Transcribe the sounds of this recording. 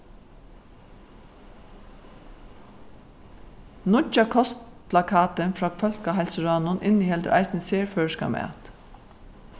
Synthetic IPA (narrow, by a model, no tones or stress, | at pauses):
nʊt͡ʃakʰɔst̪pʰlakʰɑːt̪ənfɹɑːkfœlkaɦɛlsəɹɑːnʊnʔɪnihɛld̪ə̰ʔɑ̰ɪsnəseːɹføːɹʃkɑ̰mʔæ̰t̪